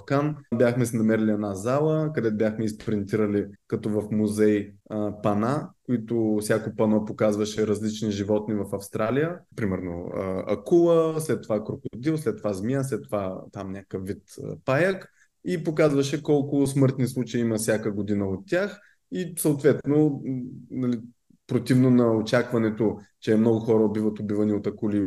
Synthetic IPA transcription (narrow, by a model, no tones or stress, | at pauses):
kanbʲjaxmɛsɛnɐmɛɾilʲiɛnazalˠəkɐd̪ɛt̪ʊbʲjaxmɛispɾint̪iɾəlikɐt̪ɔvɐfmuzɛjpɐnakʊit̪ʊfsʲjakopɐnɔpokazvɐʃɛɾɐzlit͡ʃniʒivɔt̪nivɐfɐfst̪ɾalijəpɾimɛɾno̰ə̰ɐ̰kulˠəslɛt̪ːovakɾʊkʊd̪ilˠslɛt̪ːovazmiaslɛt̪ːovat̪amnʲakəfːit̪ə̰pajək | ipokazvɐʃɛkɔlˠkʊsmɤɾt̪nislˠut͡ʃɐiimɐfsʲjakəɡod̪inəot̪ʲːax | isəot̪vɛt̪no | nɐli | pɾot̪ivnonɐot͡ʃakvɐnɛt̪ot͡ʃɛmnɔɡʊxɔɾəobivət̪obivəniot̪ɐkuli